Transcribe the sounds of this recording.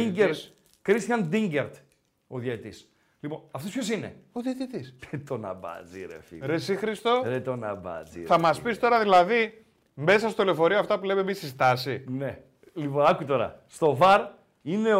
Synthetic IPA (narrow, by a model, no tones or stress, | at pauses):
ieɾ | kɾist̪çɐnd̪iɲɟeɾt̪ | oðjɐit̪is | lipo̞nɐft̪ospço̞sine̞̰oðiɐt̪it̪isðet̪o̞nɐ̰bɐ̰d͡zḭɾḛfḭɾesixɾist̪oðet̪o̞nɐbɐ̰zḭθɐmɐspist̪o̞ɾɐðilɐði | me̞sɐst̪ole̞fo̞ɾioɐft̪ɐpule̞memisizt̪ɐsine̞ | lipoɐkuit̪o̞ɾɐ̰st̪o̞vɐɾ | ine̞